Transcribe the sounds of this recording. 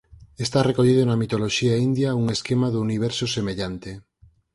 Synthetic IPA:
est̪arekoʎiðonamit̪oloʃiaind̪jauŋeskemaðuuniβ̞eɾsosemeʎant̪e

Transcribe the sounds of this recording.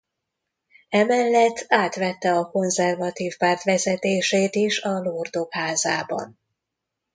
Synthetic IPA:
ɛmɛlːɛt̪ːaːt̪ʋɛt̪ːɛɒko̞nzɛrvɒt̪iːfpaːrt̪ʋɛzɛt̪eːʃeːt̪iʃɒlord̪o̞khaːzaːbɒ̰n

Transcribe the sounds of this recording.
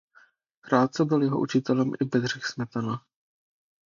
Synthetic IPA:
kɾaːt̪̚t͡sɛbɪljɛɦoʔut͡ʃɪt̪ɛlɛmʔɪbɛd̪r̝ɪxsmɛt̪ana

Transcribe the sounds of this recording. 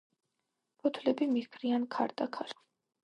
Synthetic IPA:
pʰɔt̪ʰlɛbimiɡʰɾiankʰa̰ɾd̪ʼakʰaɾ

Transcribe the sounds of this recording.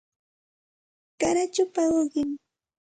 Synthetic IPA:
kaɾat͡ʃʊpaɢoɢɪŋ

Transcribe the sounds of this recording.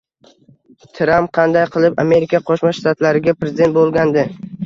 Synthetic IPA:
t̪ʰɾamp̚qʰɑnd̪ajqʰɨlˠɪpa̰me̞ɾɪkʲʰaqʰoʃmaʃt̪at̪laɾɪɡʲapɾezʲɪd̪e̞nt̪̚bolˠɡʲand̪ɪ

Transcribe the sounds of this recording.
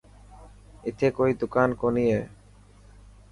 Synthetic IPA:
it̪ʰekojd̪ukankonije

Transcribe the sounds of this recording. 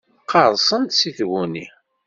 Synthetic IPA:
qʰːɑɾˤsˤənt̪siθwuni

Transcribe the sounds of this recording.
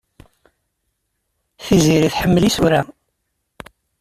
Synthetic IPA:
θiziɾiθħəmːəlisuɾæ

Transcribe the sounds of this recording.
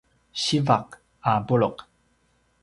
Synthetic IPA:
ɕivaq | abuɭoq

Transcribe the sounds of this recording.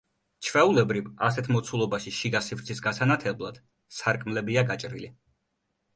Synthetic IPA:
t͡ʃʰvɛulɛbɾivasɛt̪ʰmɔt̪sʰulˠɔbaʃiʃiɡasivɾt̪sʰisɡasanat̪ʰɛblˠad̪̥ | saɾkʼmlɛbiaɡat͡ʃʼɾḭli

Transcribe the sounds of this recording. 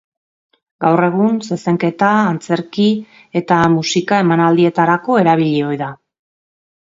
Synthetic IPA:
ɡawre̞ɣ̞unse̞se̞ŋke̞t̪aːnt͡se̞ɾki | e̞t̪amusikae̞manald̪ie̞t̪aɾako̞e̞ɾaβ̞iʎeo̞jða

